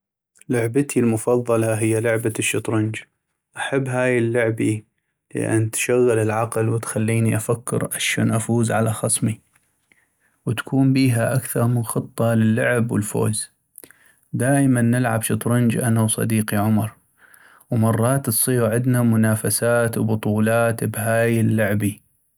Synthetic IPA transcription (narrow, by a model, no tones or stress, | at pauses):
lʊʕbat̪ʰilmʊfɑðˤːɑlɑɦɪjːalʊʕbaʃːɨt̪ˤɾʊnd͡ʒ | ʔaħabːɦaːjɪlːʊʕbi | lɪ̰ʔa̰nːt̪ʃaɣːɪlɪlʕaqlwɪt̪xalːiːniʔafakːɪ̰ɾʕaʃo̰ːnʔafuːzʕalaxɑsˤmi | wt̪ḁkʰuːmbiːɦaʔakθɑɾˤmɪnxɨt̪ˤːɑlɪlːʊʕɪbwɪ̰lfo̰ːz | d̪aːʔmanːɪlʕa̰bʃɨt̪ˤɾɨnd͡ʒʔanawsˤɑ̰d̪iːqiʕʊmɑɾˤ | wmɑrˤːɑːt̪sˤiːɾʕɪd̪namʊnaːfasaːt̪wbʊt̪ˤuːlaːt̪bɦaːjɪlːʊʕbi